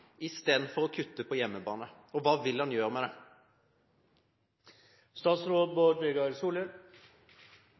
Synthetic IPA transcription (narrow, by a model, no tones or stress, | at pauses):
ɪst̪eːd̪n̩fɔʁɔkʰʉt̪ːəpʰɔjɛmːəbɑːnə | ɔʋɑːʋɪlhɑnjøːʁəmɛd̪ɛ | st̪ɑːt̪sɾoːd̪̚boːd̪ʋeɡɑɾsuːləɾ